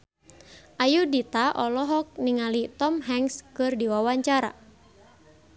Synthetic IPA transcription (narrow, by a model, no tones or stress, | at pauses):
ʔajudit̪aʔɔlɔɦɔk̚niŋalit̪ɔmɦɛŋskɨrdiwawaɲt͡ʃaɾa̰